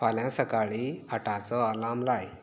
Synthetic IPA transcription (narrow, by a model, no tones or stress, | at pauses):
faljãsəkaɭihəʈat͡sɔəlamlaj